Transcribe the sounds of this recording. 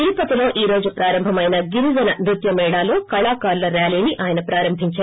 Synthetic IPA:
t̪ilipɐt̪ilo̞ːʔiːɾo̞ːd͡ʒupɾaːɾɐmbʱɐmɐjnɐɡiɾuzɐnɐmɾut̪jɐmɛːɽaːlo̞ːkɐɭaːkaːɾlɐɾaːliːniʔʔaːjɐnɐpɾaːɾɐmbʱiɲt͡ʃaːɾ

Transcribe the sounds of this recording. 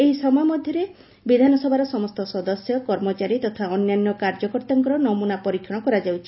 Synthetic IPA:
eɦisɔmɔjamɔd̪ʱjɔɾe | bid̪ʱanɔsɔbʱaɾɔsɔmɔst̪ɔsɔd̪ɔsjɔkɔɾmɔt͡ʃaɾit̪ɔt̪ʰaɔnjanjɔkaɾd͡ʒɔkɔɾt̪aŋkɔɾɔnɔmunapɔɾikʰjɔɽ̃ɔkɔɾad͡ʒawt͡ʃʰi

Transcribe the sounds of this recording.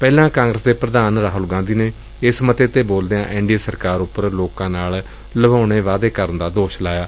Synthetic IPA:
pɛːlãːkãːŋɡɾəsd̪eːpɾəd̪aːnɾaːɦʊlɡãːnd̪iːneː | ɪsmət̪eːt̪eːboːld̪ejãːʔɪ̃ɳɖiesəɾkaːɾʊpːəɾloːkãːnaːl | ləbaːɽ̃eːʋaːd̪eːkəɾənd̪aːd̪oːʃlaːjaː

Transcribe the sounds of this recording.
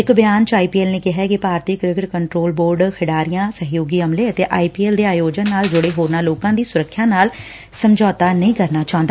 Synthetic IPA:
ɪkbɪjaːnt͡ʃaːiːpiːeːlneːkɪɦɛːkɪpaːɾt̪iːkɾɪkɪʈkəɳʈɾoːlboːɾɖkʰɪɖaːɾɪjãːsəɦjoːɡiːəmleːət̪eːʔaːiːpiːeːld̪eːaːjoːd͡ʒənːaːld͡ʒʊɽeːɦoːɾnaːloːkãːd̪iːsʊɾəkʰːjãːnaːl | səmd͡ʒɔːt̪aːnəĩːkəɾnaːt͡ʃaːõnd̪aː

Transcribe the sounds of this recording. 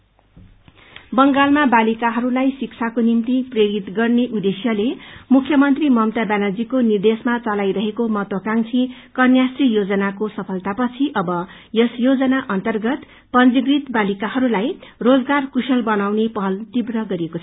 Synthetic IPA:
bʌŋɡalmabalikaɦʌɾulajsikt͡sʰakonint̪ipreɾit̪ɡʌrneʔud̪esijʌlemukʰjʌmʌnt̪rimʌmt̪abanad͡zikonird̪esmat͡sʌlajɾʌɦekomʌt̪ʌkaŋt͡sʰĩkʌnjasrijod͡zʌnakosʌpʰʌlt̪apʌt͡sʰiʔʌbʌ | jʌsjod͡zʌnaʔʌnt̪ʌrɡʌt̪ | pʌnd͡ziɡrit̪balikahʌɾulajrod͡zɡarkusʌlbʌnawnepʌɦʌlt̪ibrʌɡʌɾiekot͡sʰʌ

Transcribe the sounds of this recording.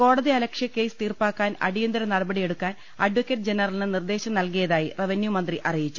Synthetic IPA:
ko̞ːɽɐðiɐlɐkʂjɐkːe̞ːsɨ̥t̪iːrpaːkːaːnɐ̰ɽijɐnd̪ɐɾɐnɐɽɐbɐɽije̞ɽukːaːn | ɐɖʋɐkʲːeʈːd͡ʑenɐrɐlinɨnird̪e̞ːɕɐmnɐlk̬ijɐðaːjireʋɐnjumɐnd̪riʔɐrijit͡ɕːu

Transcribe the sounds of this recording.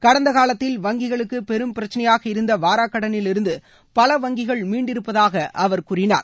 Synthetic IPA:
kɐɽɐnd̪ɐkaːlɐt̪ːɪlʋɐŋɡɪɣɐɭɯkːɯpɛɾɯmpɪɾɐt͡ʃːɐnɐjaːɣɐɪɾɯnd̪ɐʋaːɾaːkːɐɽɐnɪlɪɾɯnd̪ɯ | pɐlɐʋɐŋɡɪɣɐɭmiːɳɖɪɾɯpːɐðaːɣɐʔɐʋɐɾkuːrɪna̰ːɾ

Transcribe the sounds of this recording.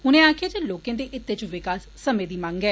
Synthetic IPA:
ʊnẽːaːkʰɪjaːd͡ʒeːloːkẽːd̪eːʔɪt̪ːeːt͡ʃʋɪkaːsːəmẽːd̪iːmãːŋɡɛː

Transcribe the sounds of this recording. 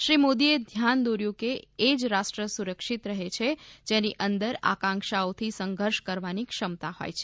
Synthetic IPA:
ʃɾimod̪ied̪ʱjand̪oɾjũkeːd͡ʒɾasʈɾəsuɾəkʃit̪ɾəɦet͡ʃʰed͡ʒeniʔənd̪əɾa̰kãŋkʃaot̪ʰisəŋɡʱəɾʃkəɾʋanikʃəmt̪aho̰jt͡ʃʰe̥

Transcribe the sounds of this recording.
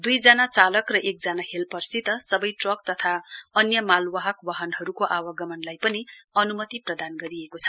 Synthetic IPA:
d̪ujd͡zanat͡salʌkrʌʔek̚d͡zanaɦelpʌrsit̪ʌsʌbʌjʈrʌk̚t̪ʌt̪ʰaʌnjʌmalwaɦʌkwaɦʌnɦʌɾukoʔawʌɡʌmʌnlajpʌniʌnumʌt̪iprʌd̪anɡʌɾiekot͡sʰʌ̥

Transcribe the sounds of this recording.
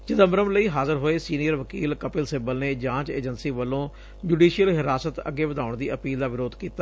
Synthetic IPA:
d͡ʒɪd̪əmɾəmləiːɦaːzəɾɦoːeːsiːnijəɾʋəkiːlkəpɪlsɪbəlneːd͡ʒãːt͡ʃeːd͡ʒənsiːʋəlːõː | d͡ʒuːɖiːʃijəlɦɪɾaːsət̪ə̰ɡeːʋəd̪aːʊɳd̪iːʔəpiːld̪aːʋɪɾoːd̪kiːt̪aː

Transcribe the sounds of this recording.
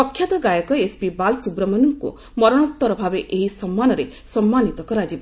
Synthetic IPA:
ɔkʰjat̪ɔɡajɔkɔesbibalsubɾɔmʌnuŋko̰ | mɔɾɔɽ̃ɔt̪ːɔɾɔbʱabeʔeɦisɔmːanɔɾe | sɔmːanit̪ɔkɔɾad͡ʒib

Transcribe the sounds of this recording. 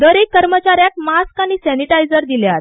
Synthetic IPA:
d̪əɾekːəɾmət͡ɕaɾjak̚maskañisɛniʈajd͡zəɾd̪iljat̪

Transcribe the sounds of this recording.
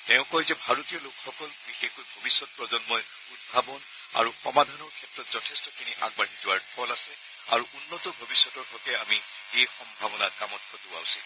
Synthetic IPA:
tɛʊ̃kɔjzɛbʱaɹɔtijɔlokxɔkɔlbixekojbʱobisːɔt̚pɹɔzɔnmɔj | ud̚bʱabɔn | a̰ɹuxɔmadʱanɔɹkʰɛtɹɔtz̥ɔtʰɛstɔkʰiniʔa̰ɡ̚banizʊwaɹpʰɔlasɛ | a̰ɹuʔunːɔtɔbʱobisːɔtɔɹɦɔkɛami | ejxɔmbʱabɔnakamɔtkʰɔtua̰ʊsil

